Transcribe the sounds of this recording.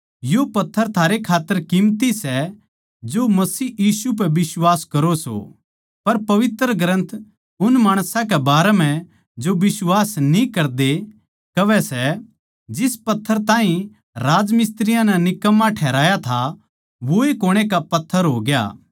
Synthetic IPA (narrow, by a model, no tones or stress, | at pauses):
jopɐt̪ʰːəɾt̪ʰaːɾekʰaːt̪ːəɾkɪmt̪isɛ | d͡ʒomɐsiːjiːsup̬ɛʋɪswaːskɐɾoso̰ | pɐɾpɐʋɪt̪ɾəɡɾə̃nt̪ʰ | ʊnmaːɽ̃sãkɛbaːɾɛm̤ɛ̃ | d͡ʒobɪswaːsnĩkɐɾd̪e | kɐʋɛsɛ | d͡ʒɪspɐt̪ʰːəɾt̪ãːɦĩ | ɾaːd͡ʒmɪst̪ɾɪjãnɛnɪkəmːãʈʰɛːɾaːjat̪ʰa | ʋoekoːɽ̃ekapɐt̪ʰːəɾɦoːɡja̰ː